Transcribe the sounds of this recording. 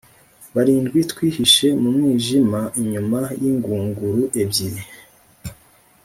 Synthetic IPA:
βaɾiːndɡwitkwiːhiʃe̞mumŋiːʒimaʔiɲumajiŋɡuːŋɡuɾuʔe̞bɟiɾe

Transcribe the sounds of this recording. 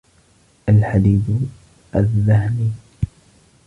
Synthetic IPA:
ʔalħad̪iːd̪ | ʔaðːahniː

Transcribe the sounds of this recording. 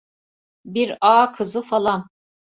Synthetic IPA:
biɾaːkʰɯzɯfalˠan

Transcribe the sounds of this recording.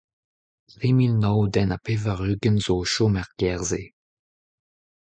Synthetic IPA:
ʁimilnɔwdɛnapevəʁyːɡənzoʃomɛʁɡ̥ɛʁze

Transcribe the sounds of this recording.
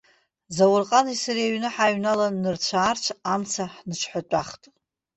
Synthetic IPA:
zawʊrqʼanisariaɥnɨħaɥnalaːɨrt͡ɕʷʰaːrt͡ʃʷʰamt͡sʰaħnɨt͡ʃʰħatʷʼaχtʼ

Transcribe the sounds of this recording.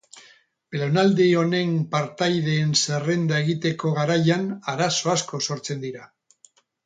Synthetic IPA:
lonald̪io̞ne̞mpaɾt̪ajðe̞ːnse̞re̞nd̪ae̞ɣ̞it̪e̞ko̞ɣaɾajanaɾaso̞asko̞so̞ɾt͡se̞nd̪iɾa

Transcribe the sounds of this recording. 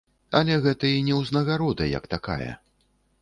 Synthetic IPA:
ɐlʲɛɣɛt̪ɐinʲɛwznɐɣaɾɔd̪ɐjɐ̰kt̪aka̰jɐ̰

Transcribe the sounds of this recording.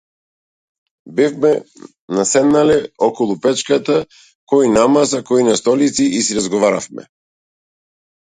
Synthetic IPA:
bifmɛ | nasɛd̪nalɛɔkɔlˠupɛt͡ʃkat̪a | kɔinamasakɔinast̪ɔlit̪siʔisiɾazɡɔvaɾafmɛ̰

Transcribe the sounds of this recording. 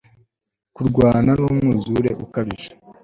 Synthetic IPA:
kuɾɡwaːnanumŋuzuɾe̞̰ʔukaβiʒḁ

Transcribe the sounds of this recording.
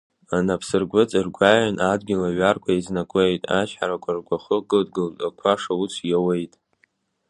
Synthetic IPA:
anapʰsɨrɡʷʊt͡sʼɨrɡʷaʕanʔadɡʲɪlaɥarkʷʰaiznakʷʼejtʼat͡ʃħaɾakʷʰʼarɡʷaχəɡɨldɡɨltʼakʷʰaʂaut͡sʷʰjawejtʼ

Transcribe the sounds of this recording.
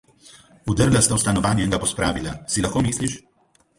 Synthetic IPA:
ud̪əɾlast̪aust̪anɔʋaːnjɛŋɡapɔspɾaːʋilasilaxkoːmiːsliʃ

